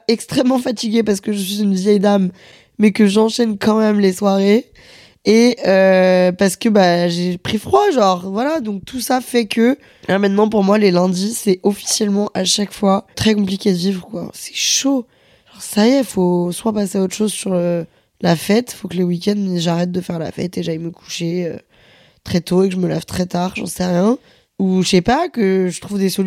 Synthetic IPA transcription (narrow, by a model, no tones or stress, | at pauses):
ɛkst̪χɛmːɑ̃fat̪iɡʲepaʁsə̥kəʒəsɥizynvjɛjd̪amː | ɛkəʒɑ̃ʃɛnkɑ̃mɛmleswaʁe | eøpaʁsə̥kəbaʒepχifχwaʒɑ̃ʁvwalad̪ɔ̃k̚t̪ʰusafɛkʰə | ãmɛ̃t̪nɑ̃p̬uʁmwalelɛ̃d̪isɛɔfi̥sjɛlmɑ̃ʔaʃakfwat̪χɛkɔ̃plikʲed̪əvivʁəkwa̰sɛ̥ʃo | ʒ̥ɔ̃ʁsajɛfoswapaseaot̪χʃozsyʁlə | lafɛt̪fokələwikʲɛ̃nd̪ʒaʁɛt̪̚d̪əfɛʁla̰fɛ̰t̪eʒaiməkʰu̥ʃeø | t̪χɛt̪oekəʒəməlɛvt̪χɛt̪aʁʒɑ̰̃sɛʁjɛ̃ | uʃɛpakəʒət̪χuvd̪esɔ